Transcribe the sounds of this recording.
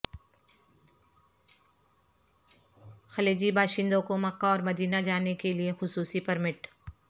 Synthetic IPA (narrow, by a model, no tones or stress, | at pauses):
xɐleːd͡ʒibaːʃɪ̃nd̪õkomɐkːaɔːɾmɐd̪iːnad͡ʒaːnekeliexʊsuːsipɐɾmɪʈ